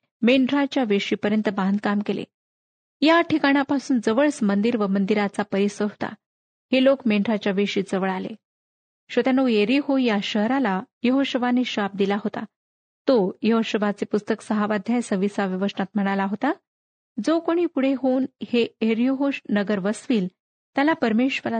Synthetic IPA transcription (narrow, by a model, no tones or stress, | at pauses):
meɳɖɾat͡ɕjaʋeʂiːpəɾjənt̪əband̪̚kamkelḛ | jaʈʰikaɽ̃japasuːnd͡zəʋəɭsmənd̪iɾʋəmənd̪iɾat͡sapəɾisəɦo̥t̪a̰ | helokmeɳɖʱɾat͡ɕjaʋeʂiːd͡zəʋəɭalḛ | ɕət̪janoeɾiɦojaɕəɦɾalajəɦoɕəʋaneɕap̚d̪ilaɦot̪a̰ | t̪ojəɦoɕəʋʱat͡sepust̪əksəɦaʋad̪ʱjajsəʋisaʋjəʋəʂənat̪̚m̤əɽ̃alaɦot̪a | d͡zokoɽ̃iːpuɽ̤eɦonheeɾiɦoɕnəɡəɾʋəsʋiːl | t̪jalapəɾmeɕʋəla